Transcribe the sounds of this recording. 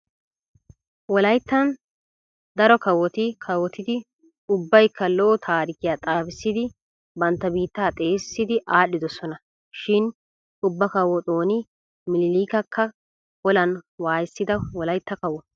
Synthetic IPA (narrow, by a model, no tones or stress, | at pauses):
wɔlɐjt̪ːɐn | d̪ɐɾɔkɐwːɔt̪ɪkʰɐwɔt̪ɪd̪ɪ | ʊbːɐjkʰːɐloːt̪ʰaːɾɪkɪjaːt̪ʼaːbɪsːɪd̪ɪ | bɐnt̪ːɐbiːt̪ːaːt̪ʼe̞ːsːɪd̪ɪʔaːɗːɪd̪ɔsɔnɐ | ʃɪn | ʊbːɐkɐwːɔt̪ʼoːnɪ | mɪlɪliːkɐkʰːɐ | wɔlɐnwaːjɪsːɪd̪ɐwɔlɐjt̪ːɐkɐwːɔ